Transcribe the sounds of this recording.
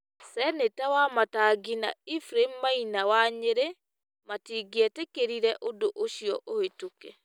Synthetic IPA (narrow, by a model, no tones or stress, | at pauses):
sɛnetawamataɡina̰ifɾemmainawaɲeɾe | matiɡɛtekeɾiɾɛʔodoʔoʃiɔʔohetokɛ